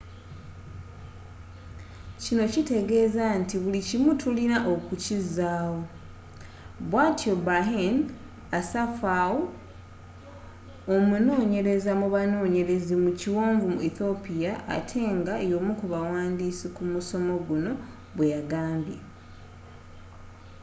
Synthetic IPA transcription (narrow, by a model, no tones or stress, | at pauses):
cino̞cite̞ɡe̞ːzantiβulicimutʰulinaʔo̞kucizaːwo̞ | βwaːtio̞baɦen | asafawo | omuno̞ːɲe̞ɾe̞zamuβano̞ːɲe̞ɾe̞zimuciwoːɱvumuiθo̞pijaʔa̰tʰe̞ːŋɡaejo̞mukuβawaːndisikumuso̞mo̞ɡuno̞ | βwejaɡaːmbje